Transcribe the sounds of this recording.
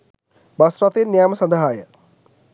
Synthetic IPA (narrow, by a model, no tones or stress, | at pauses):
basrat̪enːjaːməsand̪əɦajə